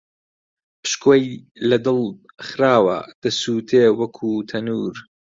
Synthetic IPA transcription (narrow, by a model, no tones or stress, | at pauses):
pɨ̥ʃkʰoːj | lɐd̪ɨlˠ | χɾaːwɐ̰d̪̥ɐsuːt̪ʰeːwɐkʰuːt̪ʰɐnuːɾ